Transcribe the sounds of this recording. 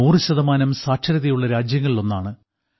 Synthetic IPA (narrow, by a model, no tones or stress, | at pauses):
oːriɕɐðɐmaːnɐmsaːkʂɐɾɐðɐjuɭːɐɾaːd͡ʑjɐŋːɐɭilo̞nːaːɳɨ